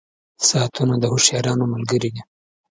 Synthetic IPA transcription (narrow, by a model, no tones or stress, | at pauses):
sɑːt̪ʰunad̪əhoʃjɑɾɑnomalɡəɾid̪i